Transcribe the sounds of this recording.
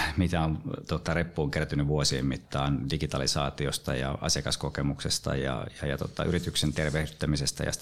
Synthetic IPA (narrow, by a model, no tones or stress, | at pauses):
mit̪æont̪ot̪ːɑrepːuːŋkeræt̪ynyʋʋuosiḛmmit̪ːɑːndiɡit̪ɑlisɑ̰ːt̪iost̪ɑjɑ̰ɑ̰sjɑkɑskokemuksest̪ɑ̰jɑ̰jɑjɑt̪o̰t̪ɑ̰ʔyrit̪yksent̪erʋehdyt̪ːæmisest̪æ̰jɑ̰